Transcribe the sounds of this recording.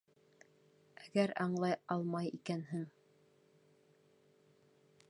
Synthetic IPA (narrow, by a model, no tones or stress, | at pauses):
æɡæɾɑɴlˠɑjɑlˠmɑjikænɦɘŋ